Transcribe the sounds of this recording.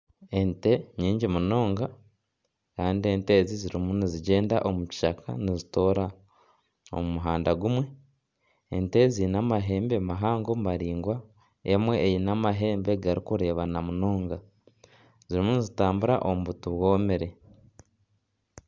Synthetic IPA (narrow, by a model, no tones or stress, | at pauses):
e̞nte̞ɲiːɲɟimuno̞ːŋɡa | kaːndie̞nte̞ːziziɾimuniziɟe̞ːnda̰ʔo̞muci̥ʃakʰa̰nizito̞ːɾa | o̰mumuɦaːndaɡumwe̞ | ḛnte̞zinamaɦe̞ːmbe̞maɦaːŋɡo̞maɾiːŋɡwa | e̞mwe̞ːjinamaɦe̞ːmbe̞ɡaɾikuɾe̞ːβanamuno̞ːŋɡa | ziɾimunizitaːmbuɾa̰ʔo̞muβutuβwo̞ːmeɾe